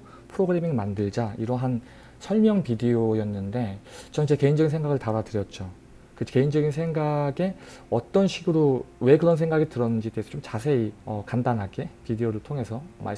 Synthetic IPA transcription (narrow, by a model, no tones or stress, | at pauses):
pʰɯɾoɡɯɾe̞miŋmandɯɭd͡ʑaiɾʌɦan | sʰʌɭmjʌŋpideojʌnːɯnde̞t͡ɕʌŋt͡ɕ͈eke̞ind͡ʑʌɡinsʰeŋɡaɡɯɭtaɾatɯɾjʌt̚t͡ɕ͈o | kɯt͡ɕʰke̞ind͡ʑʌɡinsʰe̞ŋɡaɡe̞ | ʌt͈ʌnɕʰiɡɯɾowe̞kɯɾʌnsʰe̞ŋɡaɡitɯɾʌnɯnd͡ʑit͈eesʰʌt͡ɕomt͡ɕasʰe̞iʌkandanɦaɡe̞pideoɾɯɭtʰoŋe̞sʰʌma̰